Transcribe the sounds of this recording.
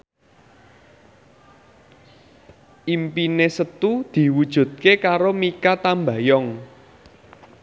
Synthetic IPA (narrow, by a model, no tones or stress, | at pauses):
ʔimpinesət̪ud̪̥i̤wud̥ʒ̥ṳd̪̚kekaɾomikat̪ambä̤jɔŋ